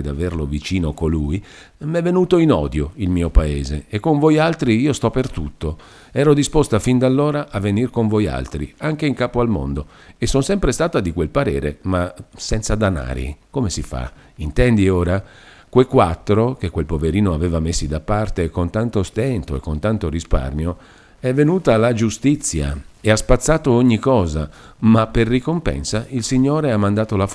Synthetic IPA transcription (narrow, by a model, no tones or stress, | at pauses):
d̪averlovit͡ʃiːnokoluj | mɛvːenuːt̪oinɔːd̪joilmiːopaeːzeːkːoɱvojalt̪ɾiiːost̪ɔpert̪ut̪ːo | ɛːɾod̪ispost̪afind̪alːoːɾaʔːvːenirkoɱvoja̰lt̪ɾiaŋkeiŋkaːpoalmo̰nd̪o | esːonsɛmpɾest̪aːt̪ad̪ikwelpaɾɛːɾḛmasɛnt̪sad̪ana̰ːɾḭkomesifa̰ | int̪ɛnd̪ioːɾa | kwejkwat̪ːɾok̟ekːwelpoveɾiːnoavɛːvamesːid̪apːart̪ekont̪ant̪ost̪ɛnt̪oḛkːont̪ant̪oɾispa̰rmjo | ɛvːenuːt̪alad͡ʒust̪it̪sːja̰easpat̪sːaːt̪ooɲːikɔːzamaperːikompɛ̰nsailsiɲːoːɾeamːand̪aːt̪ola